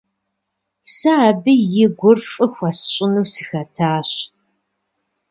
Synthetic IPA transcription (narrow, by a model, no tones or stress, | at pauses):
saːbɨjɪɡʷʊrfʼɨxʷɐsɕʼɪnuwsɨxɐtʰaːɕ